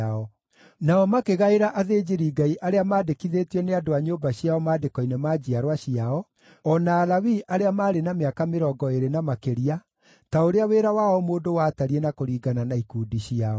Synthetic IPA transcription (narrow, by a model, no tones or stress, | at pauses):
ɔ | naɔmakeɣaeɾaʔaðeːd͡ʒiɾiɡaiʔaɾeamaːdekiðetiɔneadoaɲobaɕiaɔmaːdekɔinɛmaːd͡ʑiaɾwaɕiaɔ | ɔnaːlawiʔaɾeamaːɾenameakameɾɔɡɔeɾenamakeɾia | taoɾeaweːɾawaɔmoːndowataɾienakoɾiːɡananaikuːdiɕiaɔ